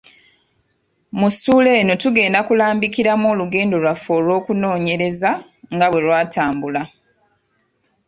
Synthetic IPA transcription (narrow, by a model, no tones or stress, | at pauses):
musuːle̞ːnotuɡe̞ːndakulaːmbikiɾamoːluɡe̞ːndo̞lwafoːlo̞ːkuno̞ːɲe̞ɾe̞za | ŋɡaβwe̞lwaːtaːmbula